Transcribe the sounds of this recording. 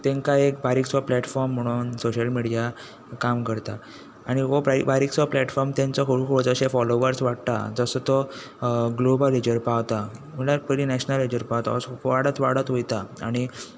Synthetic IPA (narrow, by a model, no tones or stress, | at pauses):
t̪ẽŋkaek̚baɾiksaplɛʈfɔɾm̤ːəɽ̃uːnsoɕəlmiɽija | kamkəɾt̪a | aɽ̃iʋopibaɾiksʋaplɛʈfɔɾmt̪ãnt͡sɔkʰoɽkʰoɽod͡zəɕefɔloʋəɾsʋaɽ̚t̪a̰d͡zəsət̪ɔ | ɡlobəlid͡ʑəɾpaʋt̪am̤əlaɾpəɾinɛɕnəlid͡ʑəɾpawt̪a̰osʋaɽət̪ʋaɽət̪ɦojt̪aa̰ɽ̃i